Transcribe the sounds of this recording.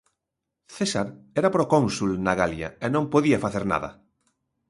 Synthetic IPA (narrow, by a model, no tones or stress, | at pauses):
θesaɾɛɾapɾokõnsulnaɣalja̰enõmpoðiafaθeɾna̰ða̰